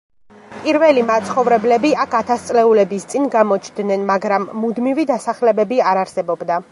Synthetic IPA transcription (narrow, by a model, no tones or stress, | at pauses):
pʼiɾvɛlimat̪sʰχɔvɾɛblɛbiakʰat̪ʰast̪sʼlɛulɛbist̪sʼinɡamɔt͡ʃʰd̪nɛnmaɡɾamːud̪mivid̪asaχlɛbɛbiaɾaɾsɛbɔbd̪a